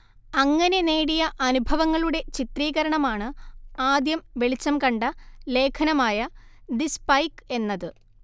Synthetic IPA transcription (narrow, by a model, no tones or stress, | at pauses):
ɐŋːɐne̞ne̞ːɽijɐʔɐnubʱɐʋɐŋːɐɭuɽe̞t͡ɕit̪riːɣɐɾɐɳɐmaːɳɨaːd̪jɐmʋe̞ɭit͡ɕːɐmkɐɳɖɐle̞ːkʰɐnɐmaːjɐd̪ispɐjke̞nːɐðɨ